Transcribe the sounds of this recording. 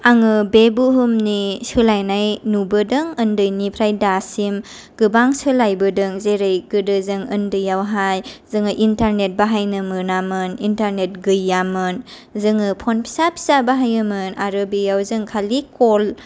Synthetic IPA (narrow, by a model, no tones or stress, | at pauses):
aŋɯbebuɦɯmnisɯlajnajnubɯdɯŋɯndɯjnipʰɾajdasim | ɡ̥ɯbaŋsɯlajbɯdɯŋzeɾɯjɡɯdɯzɯŋɯndɯjawɦajzɯŋɯʔintaɾnet̚baɦajnɯmɯnamɯnintaɾnet̚ɡɯjːamɯn | zɯŋɯpʰɔnpʰi̥sapʰi̥sabaɦajɯmɯnaɾɯbijawzɯŋkʰalikol